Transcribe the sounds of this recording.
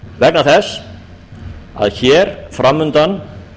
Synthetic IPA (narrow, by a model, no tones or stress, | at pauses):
vɛknaθɛs | a̰ðçɛːɾfɾamːʏnt̪an